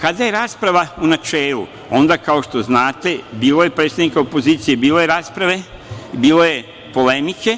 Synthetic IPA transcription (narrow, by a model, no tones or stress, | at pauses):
kad̪ajeɾaːspɾaʋaunat͡ʃeːlṵ | o̞nd̪akaoʃt̪o̞znaːt̪e̞biːlo̞je̞pɾet̪st̪ad̪nikaopo̞ziːt̪sijebiːlo̞je̞ɾaːspɾaʋe̞ | biːlo̞je̞ | po̞lemike̞